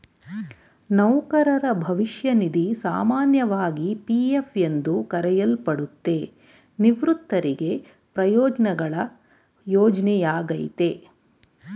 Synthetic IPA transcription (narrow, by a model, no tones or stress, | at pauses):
nɐwkɐɾɐɾɐbʱɐʋiʃjɐnid̪isaːmaːnjɐʋaːɡipiːjefjend̪ukɐɾɛjɐlpɐɽut̪ːe̞ | niʋɾut̪ːɐɾiɡe̞ | pɾɐjɔːd͡ʒɐnɐɡɐɭɐ | jɔːd͡ʒnɛjaːɡɐjt̪e̞